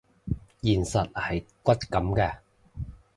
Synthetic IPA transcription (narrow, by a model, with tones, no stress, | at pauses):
jiː˨˩nsɐ˨t̚hɐ˨jkɐ˥t̚kɐ˨˥mkɛː˧